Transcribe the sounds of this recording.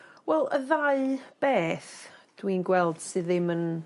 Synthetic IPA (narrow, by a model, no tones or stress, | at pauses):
wɛlˠəðaɨb̥ɛːθd̥winɡwɛlˠd̥sɨðɪmən